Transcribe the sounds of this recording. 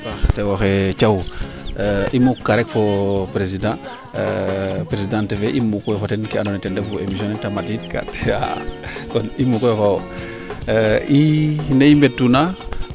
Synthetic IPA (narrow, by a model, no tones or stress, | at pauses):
axtewoxet͡ʃaw | ʔimukːaɾɛkfopɾes̬idã | pɾesidãːnteveʔimukujefatenkeanonɛtɛndefuemis̬jõnɛtamatitka̰ta̰kɔnimukofao | ineimbetːuna